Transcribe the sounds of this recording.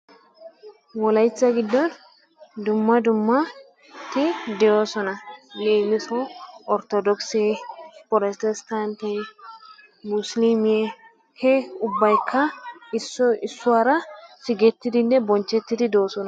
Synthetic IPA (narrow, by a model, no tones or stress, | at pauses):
wɔlɐjt͡sːɐɡɪd̪ːɔn | d̪ʊmːɐd̪ʊmːɐ | t̪ɪd̪ɛjoːsɔnɐneːmɪsɔɔɾt̪ɔd̪ɔksepɔɾɛst̪ɛst̪ant̪e | mʊslimɪje | hɛʊbːɐjkʰːɐɪsːɔɪsːʊwaːɾɐsɪɡɛt̪ːɪd̪ɪnːɛbɔnt͡ʃːɛt̪ːɪd̪ɪd̪o̞ːsɔnɐ